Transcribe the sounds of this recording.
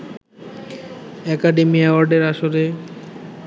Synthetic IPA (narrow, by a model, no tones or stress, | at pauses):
ɛkaɖemiɛwaɾɖeɾaʃoɾe